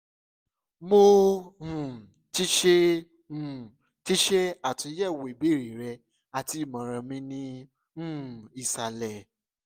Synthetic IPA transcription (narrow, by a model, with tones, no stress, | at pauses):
mo˦hũ˨ | ti˦ʃe˦ | ũ˦˨ | ti˦ʃe˦a˦˨tũ˨˧˦jɛ˦˨we˨bi˦˨ɾi˨ɾɛ˧ | a˨ti˨˦˨mã˨˦ɾ̃ã˧mĩ˧˦nĩ˦ | ũ˦˨i˨sa˨lɛ˨